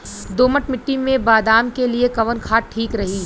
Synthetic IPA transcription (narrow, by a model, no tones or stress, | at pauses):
d̪oːməʈmɪʈːimẽbaːd̪aːmkeliekɐʋənkʰaːʈ̚ʈʰiːkɾɐɦiː